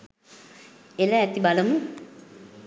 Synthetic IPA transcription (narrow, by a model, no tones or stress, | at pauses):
eləːt̪ibaləmu